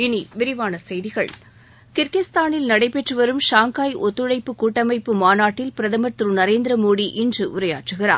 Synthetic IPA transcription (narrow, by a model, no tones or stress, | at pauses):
ɪniʋɪɾɪʋaːnɐsɛjðɪɣɐ̰ɭ | kɪɾkɪst̪aːnɪlnɐɽɐɪpːɛʈrɯʋɐɾɯmʃaːŋkaːjʔɔt̪ːɯɻɐɪpːɯkuːʈːɐmɐɪpːɯmaːnaːʈːɪlpɪɾɐðɐmɐɾt̪ɾɯnɐɾeːnd̪ɾɐmoːɽiʔɪndrɯʔʊɾɐja̰ːʈrɯɣɪɾa̰ːɾ